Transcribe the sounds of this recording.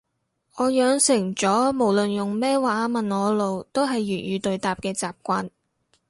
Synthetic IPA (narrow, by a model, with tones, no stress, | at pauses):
ɔː˨˧jœː˨˧ŋsɪ˨˩ŋt͡ʃɔː˨˥mo˨˩wlɵ˨njʊ˨ŋmɛː˥waː˨˧aː˨˧mɐ˨nɔː˨˧lo˨˧wt̪o˥wɦɐ˨jːyː˨˩njyː˨˧t̪ɵ˨ɥt̪aː˨p̚kɛː˧t͡saː˨p̚kʷaː˧n